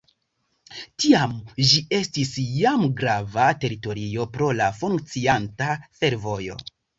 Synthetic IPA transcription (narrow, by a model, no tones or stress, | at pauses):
tiamʒie̞stisjamɡɾavate̞ɾito̞ɾio̞pɾo̞lafuŋk̚t͡siantafe̞ɾvo̞jo̞̰